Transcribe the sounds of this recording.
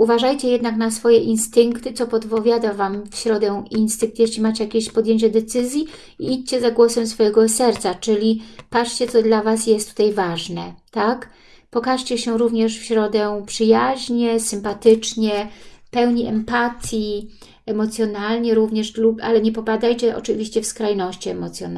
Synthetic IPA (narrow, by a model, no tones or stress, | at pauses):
uvaʐajt͡ɕɛjɛd̪naknasfɔjɛʔinst̪ɘŋkt̪ɘt̪sɔpɔt̪pɔvʲjad̪avamfɕɾɔd̪ɛinst̪ɘŋk̚t̪jɛɕlʲimat͡ɕɛjakʲeɕpɔd̪jeɲt͡ɕɛd̪ɛt̪sɘzʲji | iit͡ɕt͡ɕɛzaɡwɔsɛmsfɔjɛɡɔsɛɾt̪sat͡ʂɘlʲipat͡ʂt͡ɕɛt̪sɔd̪lavasjɛst̪ːu̥t̪ajvaʐnɛt̪ak | pɔkaʂt͡ɕɛɕɛɾuvɲɛʂfɕɾɔd̪ɛpʂɘjaʑɲɛsɘmpat̪ɘt͡ʂɲɛpɛwɲiʔɛmpat̪ʲji | ɛmɔt̪sʲjɔnalɲɛɾuvɲɛʂlubʔalɛɲɛpɔpad̪ajt͡ɕɛʔɔ̰t͡ʂɘvʲiɕt͡ɕɛfskɾajnɔɕt͡ɕiɛmɔt̪sjɔ̰n